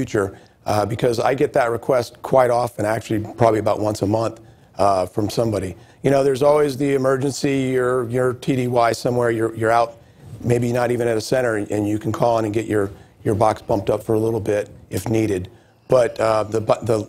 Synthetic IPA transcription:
ʉt͡ʃə˞ | bɨkʰʌza̰ɪɡɛt̪̚ðɨt̚ɹɨkʰw̥ɛst̚kʰw̥aɪɾɔfɨ̃ñæk̚t͡ʃʉl̩ˠipʰɹ̥ɑbəbliɨəbaʊʔ̚wʌ̃nsəmʌ̃nθ | fɹʌ̃msʌ̃mbɑɾi | jɨɾ̃oʊðə˞zɔlˠwizðiɨmɜ˞d͡ʒɨ̃nsijə˞jə˞tʰiɾiwaɪsʌ̃mwɛɹjə˞jə˞aʊt̚ | meɪbinəɾivɨ̃ñɨɾɨsɛ̃ɾ̃ə˞ʔɨ̃njɨkʰn̩kʰɔlˠə̃ñɨ̃nɡɛt͡ʃə˞jə˞bɑksb̥ʌ̃mp̚tʌpfə˞əlɪɾl̩ˠbɪɾʔɨfniɾɨd̚ | b̥ʌt̪̚ðɨbðə

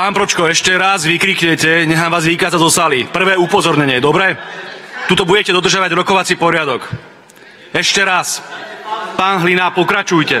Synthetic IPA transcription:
paːnpɾɔt͡ʃkɔɛʃcɛɾazʋikɾiːkɲɛcɛɲɛɦaːmʋaːzʋikaːd͡zazɔsaːlipr̩ʋɛːupɔzɔɾɲɛɲɪɛɛd̪ɔbɾɛːt̪uːt̪ɔbuɟɛcɛd̪ɔd̪rʒjaʋaɟɾɔkɔʋat͡sipɔɾɪad̪ɔk | ɛʃcɛɾas | paːnɦlinaːpɔkɾat͡ʃujcɛ

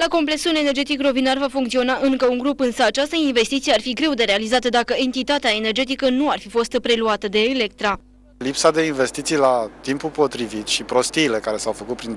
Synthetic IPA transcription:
lako̞mple̞ksule̞ne̞rd͡ʒe̞t̪ikro̞vinarvafuŋkt̪sio̞naʔɨŋkəuŋɡɾupɨnsəat͡ʃast̪əinve̞st̪it̪sijearfiɡɾe̞wd̪e̞ɾe̞alizat̪əd̪akəe̞nt̪it̪at̪eae̞ne̞rd͡ʒe̞t̪̬ikənuarfifo̞st̪pɾe̞luat̪əd̪e̞ːlek̚t̪ɾa | lipsad̪e̞inve̞st̪it̪sijlat̪impupo̞t̪ɾivit̪ʃipɾo̞st̪iːle̞kaɾe̞sawfəkut̪̚pɾin

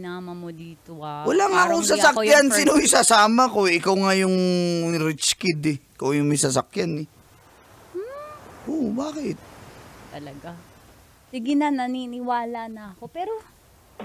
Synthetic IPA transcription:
naːmɐmod̪iːt̪owɐlaŋɐkosasakjansiːnoisasaːmɐkoɪkawŋajʊŋɾɪt͡ʃkɪd̪ɛɪkawjʊŋmɐjsɐs̬akjanɛ | ʔobaːkɪt̪̚t̪ɐlɐɡa | sɪɡɪnɐnɐninɪwaːlɐnɐɐkopɛːɾo

